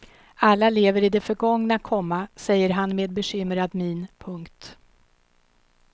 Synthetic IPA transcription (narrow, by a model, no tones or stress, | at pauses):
alːaleːvəɾɪd̪ɛfœɾɡɔŋnakʰɔmːasɛjːəɾɦanmeːd̪bɛɕʏmɾad̪mɪnpʰɵŋkt̪